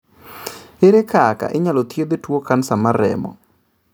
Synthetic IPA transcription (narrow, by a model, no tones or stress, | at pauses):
ɪɾekaka̰ʔɪɲalɔt̪jeb̪etwokansamaɾɛ̰mɔ̰